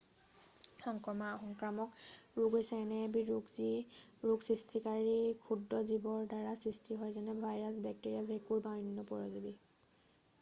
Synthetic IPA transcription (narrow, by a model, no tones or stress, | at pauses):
xɔŋkɹɔmaɔxɔŋkɹamɔkɹuɡojsɛːnɛbiɹuɡzi | ɹuksɹistʰikaɹikʰudɹɔzibɔɹdaɹasɹistʰiɦɔjzɛnɛbʱajɹas̬bɛk̚tiɹiabʱekuɹbainːɔpɔɹɔzidi